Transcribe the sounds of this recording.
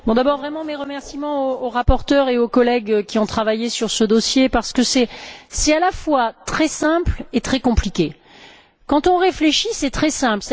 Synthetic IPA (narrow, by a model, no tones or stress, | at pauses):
bɔ̃d̪abɔʁvʁɛmɑ̃meʁəmɛʁsimɑ̃oːʁapɔʁt̪œʁeokɔlɛɡkʲiɔ̃t̪χavajesyʁsəd̪ɔsjepaʁsə̥kəsɛsɛt̪alafwat̪χɛsɛ̃plet̪χɛkɔ̃plikʲe | kɑ̃t̪ɔ̃ʁefleʃisɛt̪χɛsɛ̃plsɛ